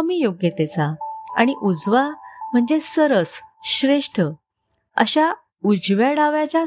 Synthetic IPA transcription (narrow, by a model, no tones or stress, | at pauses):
mijoɡjət̪ɛt͡saa̰ɽ̃iʔud͡zʋam̤əɳd͡zesəɾəsɕɾeʂʈʰə | ə̰ɕa | ud͡zʋjaɽaʋjat͡ɕa